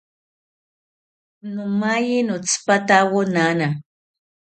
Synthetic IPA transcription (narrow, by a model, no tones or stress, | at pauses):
nʊmajinʊt͡spat̪awʊnana